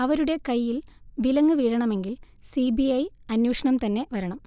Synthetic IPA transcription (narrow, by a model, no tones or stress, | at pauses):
ɐʋɐɾuɽe̞kɐjːilʋilɐŋːɨʋiːɽɐɳɐme̞ŋɡil | sibiɐjɐnjuːʂɐɳɐmt̪ɐnːe̞ʋɐɾɐɳɐm